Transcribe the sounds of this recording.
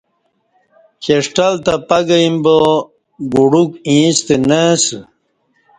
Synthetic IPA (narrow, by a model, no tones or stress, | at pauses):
keʂʈalt̪apɐɡɐimbo | ɡuɽukĩːst̪enes